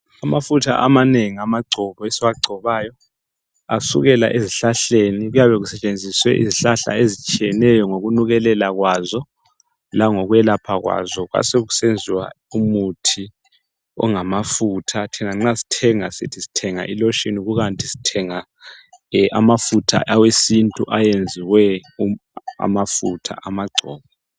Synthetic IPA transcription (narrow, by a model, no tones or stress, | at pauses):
amafutʰa̰ʔamaneŋiamaɡ͡ǀʱɔβɔesiwaɡ͡ǀʱɔβaːjɔ | asṵɣɛla̰ʔeziɬaɬeniɣujaβɛɣusɛt͡ʃʼend͡zʱiswɛ̰ʔḭziɬaɬa̰ezit͡ʃʼijɛnɛjɔŋoɣunuɣɛlɛlaɣwazɔ | laŋɔɣuɛlapʰaɣwa̰zɔɣwa̰seɣusend͡zʱiwa̰ | umutʰi | ɔ̰ŋamafutʰatʰinaŋ͡ǁasi̥tʰɛŋasitʰisi̥tʰɛŋa̰ʔilɔʃiniɣuɣantʼisi̥tʰɛŋa | ʔa̰mafutʰa̰ʔawesintʼṵʔajend͡zʱiwɛua̰mafutʰa̰ʔamaɡ͡ǀʱɔ̰ːβɛ